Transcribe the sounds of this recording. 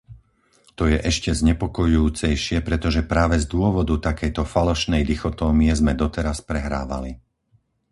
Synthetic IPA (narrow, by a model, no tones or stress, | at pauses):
t̪ɔjɛʔɛʃcɛzɲɛpɔkɔjujuːt͡sɛjʃɪɛpɾɛt̪ɔʒɛpɾaːʋɛzd̪ʊɔʋɔd̪ut̪akɛjt̪ɔfalɔʃnɛjd̪ixɔt̪ɔːmiɛzmɛd̪ɔt̪ɛɾaspɾɛɦɾa̰ːʋa̰li